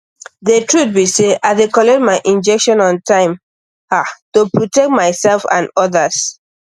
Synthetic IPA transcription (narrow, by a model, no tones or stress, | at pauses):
ðətʰɹut̚biseaɪdekɔlɛt̚maɪʔĩnd͡ʒɛkʃɔ̃nɔ̃ntʰãɪ̃m | atopɹotɛk̚t̚maɪsɛlfã̰nɔðas